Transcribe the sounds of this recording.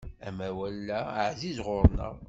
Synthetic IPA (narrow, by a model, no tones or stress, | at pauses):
æmæwælːæʕzizʁʊɾˤnə̰ʁ